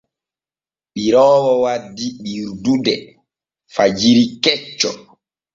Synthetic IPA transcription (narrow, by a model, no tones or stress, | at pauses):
ɓiɾɔːwɔwadːiɓiɾdudɛ | fad͡ʒiɾikɛt͡ʃːɔ